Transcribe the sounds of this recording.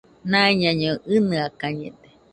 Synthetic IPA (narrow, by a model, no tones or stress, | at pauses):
nãiɲãɲoʔɨnɨakaɲḛd̪e